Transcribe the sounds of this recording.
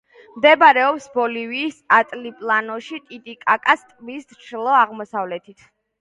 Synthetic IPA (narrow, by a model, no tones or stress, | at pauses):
md̪ɛbaɾɛɔpsbɔliviːsat̪ʼlipʼlˠanɔʃit̪ʼit̪ʼikʼakʼast̪ʼvisd̪t͡ʃʰlˠɔaʁmɔsavlɛt̪ʰit̪ʰ